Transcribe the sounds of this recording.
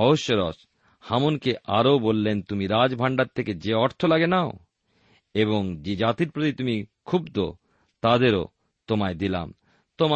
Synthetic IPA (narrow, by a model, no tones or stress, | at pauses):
ɔboʃːoɾɔs | hamonkeʔaɾobolːent̪umiɾad͡ʑbʱaɳɖaɾt̪ʰeked͡ʑeɔɾt̪ʰolaɡenao | eβoŋd͡ʑed͡ʑat̪iɾpɾot̪it̪umikʰubd̪o | t̪ad̪eɾo̰ | t̪omaed̪ila̰m | t̪oma